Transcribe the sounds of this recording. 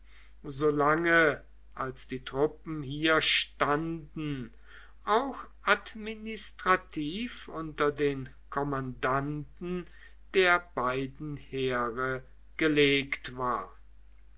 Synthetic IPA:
zoːlaŋə | ʔalsd̥iːtʁ̥ʊp̚m̩hiːɐʃtandn̩ | ʔaʊxʔatminɪstʁ̥atʰiːfʊntɐdeːn | kʰɔmandantn̩ | d̥eːɐbaɪdn̩heːʁə | ɡ̥əleːktv̥aːɐ

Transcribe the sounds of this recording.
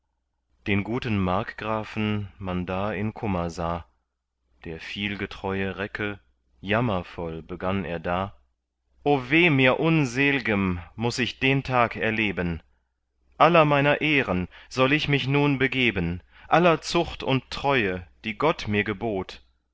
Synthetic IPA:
d̥eːnɡuːtən̩maɐkɡ̥ʁaːfn̩mandaːɪnkʰʊmɐzaː | d̥eːɐfiːlɡətʁ̥ɔʏəʁɛkʰə | jamɐfɔlbəɡanḛːɐdaː | ʔoːveːmiːɐʔʊnzeːlɪɡəmːʊsɪçd̥eːntʰaːkɛɐleːbən | ʔalɐmaɪnɐʔeːʁənz̥ɔlɪçmɪçnuːnbəɡeːbən | ʔalɐt͡sʊχtʊnttʁ̥ɔʏəd̥iːɡɔtmiːɐɡəboːt

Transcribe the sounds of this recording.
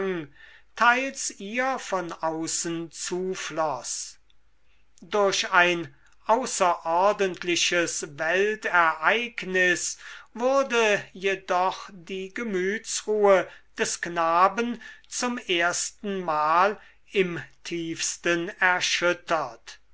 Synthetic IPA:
ŋtʰaɪlsiːɐfɔnaʊsənt͡suːflɔs | dʊɐʃaɪn | ʔaʊsɐʔɔʁdəntʰlɪʃəsvɛltɛɐʔaɪknɪsvʊʁdəjedɔχd̥iːɡəmyːtsʁuːəd̥ɛsknaːbənt͡sʊmeɐstn̩maːl | ɪmtʰiːfstənɛɐʃʏtʰɐt

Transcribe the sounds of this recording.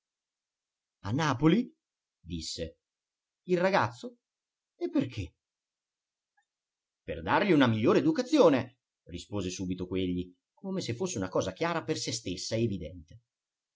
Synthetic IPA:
a̰nːaːpoli | d̪isːe | ilraɡat̪sːo | epːerkʰe | pḛrd̪arʎiunamiʎːoːɾeːd̪ukat̪sːjoːne | rispoːzesuːbit̪okweʎːi | koːmesefːosːeunakɔːzak̟jaːɾapersest̪esːaeːvid̪ɛnt̪e

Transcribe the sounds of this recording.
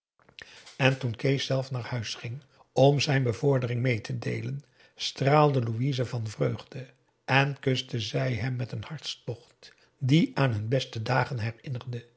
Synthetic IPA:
ɛntunkejsɛlˠfnaːɹhœɥsχɪŋ | ɔmzɛjnbəvʊɹdərɪŋmejtʰədḛjlən | straːlˠdəluizəvɑnvrøɥχdə | ɛnkɵstəzɛjɦɛmːɛtənhɑɹtstɔχt | diʔaːnɦɵnbɛstədaːχənɦɛrɪnərdə

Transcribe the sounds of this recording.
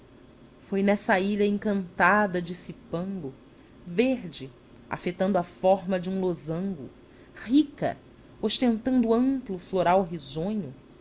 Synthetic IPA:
fojnɛsɐiʎɐẽŋkɐ̃nt̪ad̪ɐd͡ʒɪsipɐ̃ŋɡʊ | veɾd͡ʒɪ | a̰fet̪ɐ̃nd̪ʊafɔɾmɐd͡ʒɪũlozɐ̃ŋɡʊ̰ | hikɐ̰ | oʃt̪ẽnt̪ɐ̃nd̪ʊuɐ̃mplʊfloɾawɦizõɲʊ

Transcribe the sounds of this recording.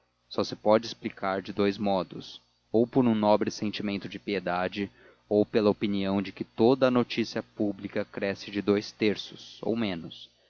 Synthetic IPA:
sɔsɪpɔd͡ʒɪsplikʰaɾd͡ʒɪd̪ojzmɔd̪ʊ̰s | owpoɾũnɔbɾɪsẽnt͡ʃimẽnt̪ʊd͡ʒɪpied̪ad͡ʒɪ | owpelɐopiniɐ̃w̃d͡ʒɪkɪt̪od̪ɐnot͡ʃisiɐpublikɐkɾɛsɪd͡ʒɪd̪ojst̪eɾsʊso̰wmẽnʊs

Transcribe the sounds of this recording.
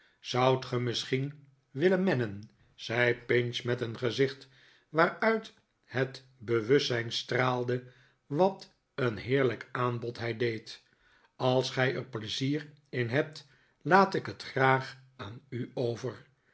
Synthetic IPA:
z̥ʌwtχəmɪsχin | ʋɪlənmɛnən | z̥ɛjpɪnsmɛtənχəzɪχt | ʋaːɹœɥt | hət | bəʋɵssɛjnstraːlˠdə | ʋɑt | ənɦɪːɹləkaːnbɔtɦɛjdejt | ɑlˠsχɛjəɹpləziːr | ɪnɦɛp̚t | laːtɪkɦətχraːχaːnyowvər

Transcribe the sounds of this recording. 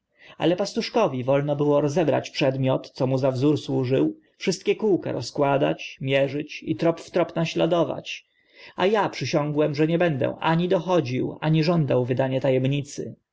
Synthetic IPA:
a̰lɛpast̪uʂkɔvʲivɔlnɔbɘwɔɾɔzɛbɾa̰t͡ɕpʂɛd̪mʲjɔt̪t̪sɔmuzavzuɾswuʐɘw | fʂɘst̪̚kʲɛkuwka̰ɾɔskwad̪a̰t͡ɕmʲjɛʐɘt͡ɕḭt̪ɾɔpft̪ɾɔpnaɕlad̪ɔva̰t͡ɕ | ajapʂɘɕɔ̃ŋɡwɛmʐɛɲɛbɛnd̪ɛ̰̃ʔaɲid̪ɔxɔd͡ʑiwaɲiʐɔnd̪awvɘd̪aɲɛt̪ajɛmɲit̪sɘ̰

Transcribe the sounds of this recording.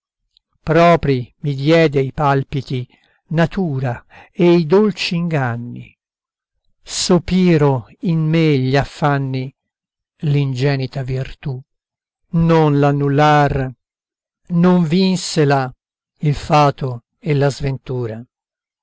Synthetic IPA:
pɾɔːpɾimid̪jɛːd̪eipalpit̪i | nat̪uːɾaejd̪olt͡ʃiːŋɡanːḭ | sopiːɾoinmeʎafːanːi | lind͡ʒɛːnit̪avirt̪u | nonlanːulːar | noɱvinsela | ilfaːt̪o | elːazvent̪uːɾa

